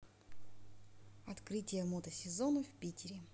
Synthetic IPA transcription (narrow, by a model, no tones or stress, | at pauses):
ɐt̪kɾɨtʲɪjəmot̪əsʲɪzonʊfʲpʲitʲɪɾʲɪ